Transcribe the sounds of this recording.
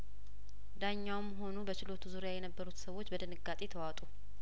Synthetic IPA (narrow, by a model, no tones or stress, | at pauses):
d̪aɲːawmːɦo̞nubət͡ʃɪlo̞t̪ʰuzuɾjajɛnəbːəɾut̪səwo̞t͡ʃːbəd̪ɨnɨɡat̪ʼe̞t̪ʰəwat̪ʼu